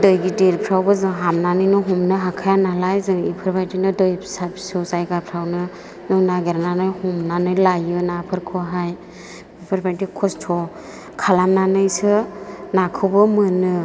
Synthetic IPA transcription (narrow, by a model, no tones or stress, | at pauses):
dɯjɡideɾpʰɾawbɯzɯŋɦamnanɯjnɯɦɔmnɯɦakʰajanalajzɯŋḭpʰɯɾbʰajdinɯdɯjsapʰi̥sɯzajɡapʰɾawnɯ | nɯnaɡeɾnanɯjhɔmnanɯjlajɯnapʰɯɾkʰɔɦaj | ipʰɯɾbʰajdikʰɔstʰɔ | kʰalamnanɯjsɯnakʰɯwbɯmɯnɯ